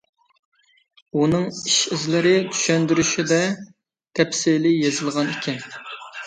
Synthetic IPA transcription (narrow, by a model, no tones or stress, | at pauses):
unɨŋiʃizlɪɾɪt̪ʰy̥ʃɛnd̪yɾyʃid̪ɛ | t̪ʰɛpsɪlɪjezɨlˠʁɑnikʲʰɛn